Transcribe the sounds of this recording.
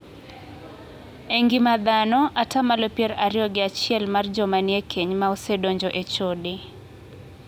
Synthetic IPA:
eŋɡɪmad̪anɔʔatamalopjɛɾaɾɪjɔɡɪat͡ʃɪɛlmard͡ʒɔmaniekʰeɲmaosedoɲd͡ʒɔʔet͡ʃodɪ

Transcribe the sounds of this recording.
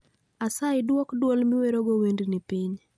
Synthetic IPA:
asaɪdwɔkdwɔlmɪweɾoɡowendinɪpiɲ

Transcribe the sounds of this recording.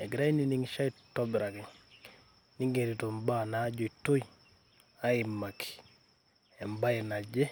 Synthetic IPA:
eɡiɾajniniŋʃaitːobiɾakŋ | niŋɡeɾitombanaɟoitoj | aimːaki̥ | embajinaɟe

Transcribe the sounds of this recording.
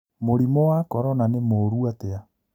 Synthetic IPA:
moɾimɔwakɔɾɔnanemoːɾuatɛa

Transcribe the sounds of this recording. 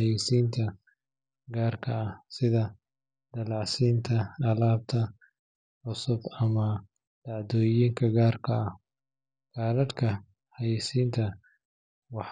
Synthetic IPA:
jisiːnt̪ʰɐ | ɡaːrkʰɐɐsɪðɐ | d̪̥ɐlɑʕsiːnt̪ʰɐɐlaːb̚t̪ʰɐ | ʕʊsʊbɐmɐ | d̪̥ɑʕd̪ɔːjiːŋkʰɐɡaːrkʰɐɐh | ɡ̥aːlɐd̪kʰɐ | hɐjisiːnt̪ʰɐ | wɑħ

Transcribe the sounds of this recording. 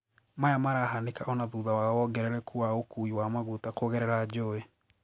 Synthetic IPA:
majamaɾaɦanekaʔɔnaðuðawaɔɡɛɾɛɾɛkʰuaokuiwamaɣutakoɣɛɾɛɾad͡ʒoɛ

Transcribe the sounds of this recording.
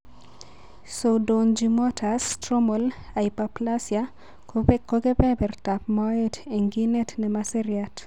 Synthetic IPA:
sodond͡ʒimɔtʰastɾomol | aipaplasja | kʰopekoɡepɛpɛrtapmaeteŋɡinetnɛmaseɾjat

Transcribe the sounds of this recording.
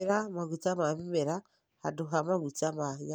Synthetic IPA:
ɾamaɣut͡samaβimeɾa | ha̰duɦamaɣut͡samaja

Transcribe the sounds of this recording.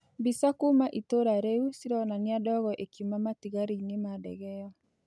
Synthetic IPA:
bisakumaʔitoɾaɾeusiɾɔnaniadɔɣɔʔekumamatiɣaɾinemadɛ̰ɣɛjɔ

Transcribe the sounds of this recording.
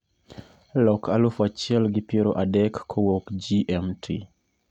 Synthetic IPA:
lɔkalufat͡ʃiɛlɡɪpjeɾoʔadɛkːʰɔwokd͡ʒiʔɛmtʰḭ

